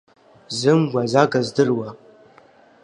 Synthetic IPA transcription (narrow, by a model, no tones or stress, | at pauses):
zɨmɡʷazaɡazdɨrwa